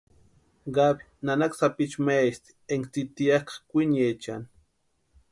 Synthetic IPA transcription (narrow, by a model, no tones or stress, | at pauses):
ɢabi̥nanaksapit͡ʃmast̪i̥eŋkt͡s̪it̪iakḁkʷinet͡ʃa̰n